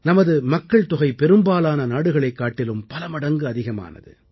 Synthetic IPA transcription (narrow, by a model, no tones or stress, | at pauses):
nɐmɐðɯmɐkːɐɭt̪ʊɣɐɪpɛɾɯmbaːlaːnɐnaːɽɯɣɐɭɐɪkːaːʈːɪlɯmpɐlɐmɐɽɐŋɡɯɐðɪɣɐma̰ːnɐ̰ðɯ̰